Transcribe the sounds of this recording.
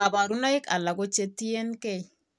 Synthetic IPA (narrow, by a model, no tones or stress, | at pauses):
ɐbaːɾʊnɐjɪkʼɐlːɐɡɔt͡ʃːɛt̪ːɪjɛnkɛj